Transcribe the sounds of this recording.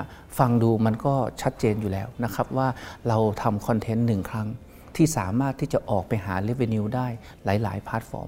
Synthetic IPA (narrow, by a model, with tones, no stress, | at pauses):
fa˧ŋduː˧ma˧nkɔː˥˩t͡ɕʰa˦˥t̪̚t͡ɕeː˧njuː˨˩lɛː˦˥wna˦˥kʰa˦˥p̚waː˥˩ɾa˧wt̪ʰa˧mkʰɔ˧nt̪ʰe˦˥nːɯ˨˩ŋkʰɾa˦˥ŋ | t̪ʰiː˥˩saː˩˦maː˥˩t̪ʰːiː˥˩t͡ɕa˨˩ʔɔː˨˩k̚pa˧jɦaː˩˦le˦˥we˧ni˧daː˥˩j | laː˩˦jla̰ː˩˦jpʰaː˦˥t̪̚fɔ̰ː˧m